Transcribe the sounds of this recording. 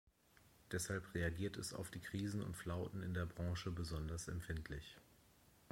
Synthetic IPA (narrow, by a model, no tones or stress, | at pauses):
d̥ɛshalpʁeaɡiːɐtɛsa̰ʊfd̥iːkʁ̥iːzn̩ʊ̰ntflaʊtn̩ɪndeːɐbʁɑ̃ːʃəbəzɔndɐsɛ̰mfɪntʰlɪç